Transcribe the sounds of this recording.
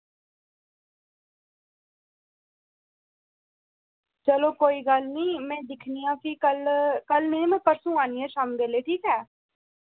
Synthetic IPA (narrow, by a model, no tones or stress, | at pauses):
t͡ʃəloːkoːiːɡəlnĩːmɛ̃ːd̪ɪkʰniːjãːkikəlkəlnẽĩːmɛ̃ːpəɾsũːaːniːɛ̃ːʃaːmɡeːleːʈʰiːkɦɛː